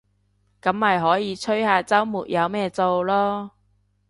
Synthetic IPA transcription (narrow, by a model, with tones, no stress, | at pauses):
kɐ˨˥mːaː˨˩jɦɔː˨˥jiː˨˧t͡sʰɵ˥ɥhaː˧t͡sɐ˥wmuː˨˩t̚jɐ˨˧wmɛː˥t͡so˨˧wlɔː˥